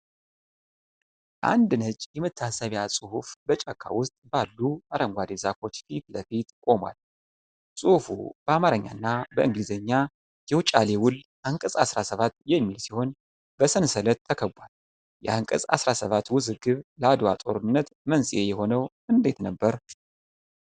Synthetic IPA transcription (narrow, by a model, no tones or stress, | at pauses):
ʔa̰nd̪ɨnət͡ʃʼːjɛmɨt̪ʰːasəβjasʼɨhufbət͡ʃʼakʰːa̰wʊst̪ʼbalːuaɾəŋɡʷad̪ezako̞t͡ʃːfit̪ləfit̪kʼo̞mwa̰l | sʼuhfṵb̥əamaɾəɲːa̰nːabəʔɨŋɡlizəɲːa | jɛwut͡ʃʼalewʊlʔaŋkʼəsʼasɾasəβat̪ːjɛmːilsiho̞n | bəsənsələt̪ʰːəkʰəbʷal | jɛʔaŋkʼɨsʼa̰sɾasəβat̪wʊzɨɡɨβləad̪wa̰t̪ʼo̞ɾɨnːət̪mənsʼijejɛho̞nəwʔɨnd̪e̞t̪nəbːəɾ